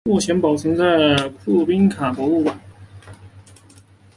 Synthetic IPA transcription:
ɔ˥˩ɕjɛ˧˥npɑ˨˩ʊt͡sʰɤ˧˥ŋt͡sa˥˩ɪkʰu˥˩pi˥nkʰa˨˩pwɔ˧˥u˥˩kwa˨˩˦n

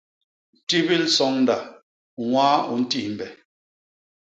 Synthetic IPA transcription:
ti˦bi˦lsɔ˨˦ŋn̩˦da˨ | ŋwaː˦ṵ˨n̩˦ti˦˨m̩˨bɛ˨

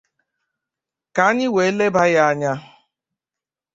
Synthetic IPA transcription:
ka˨a˦ɲɪ˦we˨e˦le˦ba˦ja˦a˦ɲa˦

